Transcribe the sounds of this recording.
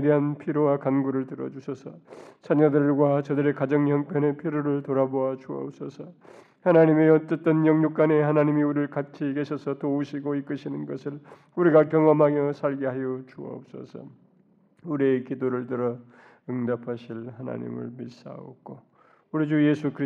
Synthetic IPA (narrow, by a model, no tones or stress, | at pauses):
edeɦanpʰiɾowakanɡuɾɯɭtɯɾʌ̰d͡ʑusʰʌsʰʌsʰaɲadɯɭɡwat͡ɕʌdɯɾe̞kad͡ʑʌŋjʌŋpʰjʌne̞pʰiɾoɾɯɭtoɾaboat͡ɕuʌ̰ʌp̚s͈ʰʌsʰʌ | hanaɲimeʌt͈ʌt͈ʌnjʌŋɲuk͈ane̞hanaɲimiuɾɯɭkat͡ɕʰikeɕʰʌsʰʌtouɕʰiɡoik͈ɯɕʰinɯnɡʌsʰɯɭ | uɾiɡakjʌŋʌmɦaɡjʌsʰaɭɡeɦajʌt͡ɕuʌ̰ʌ̰p̚s͈ʌ̰sʰʌ̰ | uɾiekidoɾɯɭtɯɾʌ | ɯŋdapʰaɕʰilhana̰ɲḭmɯ̰ɭmis͈a̰o̰k͈ʰo | uɾid͡ʑujesʰukʰɯɾi